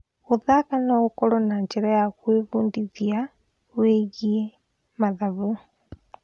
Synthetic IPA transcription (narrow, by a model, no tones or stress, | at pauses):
ɣuðakanoɣukolonaɲd͡ʒiɾajaɣweβuːndiðja | weɣie | maðaβu